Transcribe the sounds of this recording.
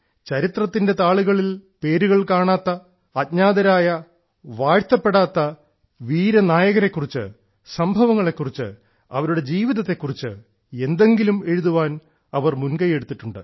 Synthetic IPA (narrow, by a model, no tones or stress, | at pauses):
t͡ɕɐɾit̪rɐt̪ːinde̞t̪aːɭuɣɐɭilpe̞ːɾuɣɐɭkaːɳaːt̪ːɐː | t̚ɲaːðɐɾaːjɐ | ʋaːɻt̪ːɐpːe̞ɽaːt̪ːɐ | ʋiːɾɐnaːjɐɣɐɾe̞kːurit͡ɕːɨ̰ | sɐmbʱɐʋɐŋːɐɭe̞kːurit͡ɕːɨ̰ | ɐ̰ʋɐɾuɽe̞d͡ʑiːʋiðɐt̪ːe̞kːurit͡ɕːɨ̰ | e̞nd̪e̞ŋɡilume̞ɻuðuʋaːn | ɐʋɐrmunkɐje̞ɽut̪ːiʈːuɳɖɨ̰